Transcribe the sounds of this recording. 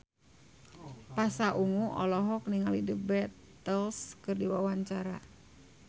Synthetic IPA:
pasaʔuŋuʔɔ̰lɔɦɔk̚niŋalidəbɛt̪ː | əlskɨrdiwawaɲt͡ʃaɾa

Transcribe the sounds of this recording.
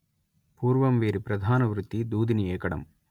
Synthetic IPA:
puːɾʋɐmʋeːɾipɾɐd̪ʱaːnɐʋɾut̪ːid̪uːd̪iniɛːkɐɽɐ̰m

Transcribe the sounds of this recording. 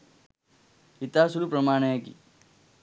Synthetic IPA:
it̪asulupɾəmaːɳ̃ekḭ

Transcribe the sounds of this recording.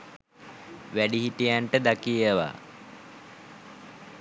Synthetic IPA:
ʋæɖiɦiʈijaɳʈəd̪akijəʋa̰ː

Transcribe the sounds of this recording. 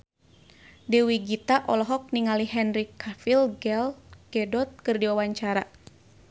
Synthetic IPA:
dɛwiɡit̪aʔɔlɔɦɔk̚niŋaliɦɛnrikʰafilɡɛlɡ̥ɛdɔt̪̚kɨrdiwawaɲt͡ʃaɾa

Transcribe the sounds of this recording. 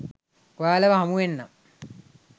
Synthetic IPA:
ʋaːlɐʋɐɦɐmuʋenːɐm

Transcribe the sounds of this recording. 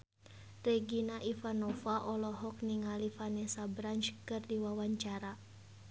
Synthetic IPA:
rɛɡinaʔifanɔfaʔɔlɔɦɔk̚niŋalifanɛsabɾant͡ʃkɨrdiwawaɲt͡ʃaɾa

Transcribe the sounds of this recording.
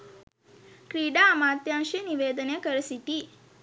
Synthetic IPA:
kɾiːɖaɐmaːt̪jaːʃiniʋeːd̪ɐnekɐɾɐsiʈ̪i

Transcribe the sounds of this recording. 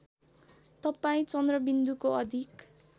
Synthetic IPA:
t̪ʌpaĩt͡sʌnd̪rʌbind̪ukoʌd̪ʱik

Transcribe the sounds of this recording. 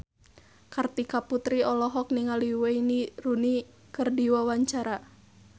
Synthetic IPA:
kart̪ikaput̪ɾiɔlɔɦɔk̚niŋaliweiniɾuni | kɨrdiwawaɲt͡ʃaɾa

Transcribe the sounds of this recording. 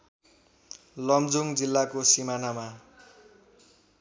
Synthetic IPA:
lʌmd͡zuŋd͡zilːakosimanama

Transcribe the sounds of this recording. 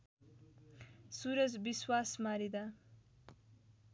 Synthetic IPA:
suɾʌd͡zbiswasmaɾid̪a

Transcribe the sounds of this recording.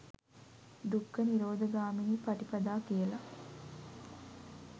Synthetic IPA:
d̪ukːəniɾoːd̪əɡaːminiːpɐʈipɐd̪aːkijəla

